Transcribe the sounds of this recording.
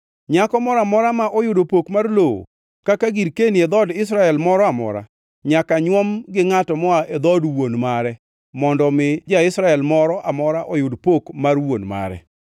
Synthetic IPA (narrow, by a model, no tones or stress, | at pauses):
ɲakɔmɔɾamɔɾamaʔɔjʊdopokmarloo̰ | kakaɡiɾkenied̪ɔdɪs̬ɾaɛlmɔɾɔamɔ̰ɾa̰ | ɲakaɲwɔmɡɪŋatɔmɔaʔed̪ɔdwonmaɾɛ | mɔndɔmɪd͡ʒaɪsɾaɛlmɔɾɔʔamɔɾaʔɔjʊdpokmarwonma̰ɾɛ̰